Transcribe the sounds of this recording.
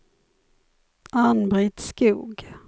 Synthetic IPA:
ʔanbɾɪt̪skṵːɡ

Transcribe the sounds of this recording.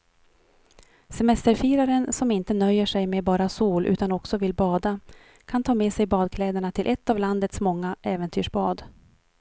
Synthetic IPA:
sɛmɛst̪əɾfiːɾaɾənsɔmɪnt̪ənœjːəʂɛjmebɑːɾasuːlʔʉ̟ːt̪anɔksɔvɪlbɑːd̪a | kʰant̪ʰɑːmeːsɛjbɑːd̪̚kʰlɛːd̪əɳat̪ʰɪlʔɛt̪ːavland̪ət̪smɔŋːaʔɛːvɛnt̪ʰyːʂbɑːd̪

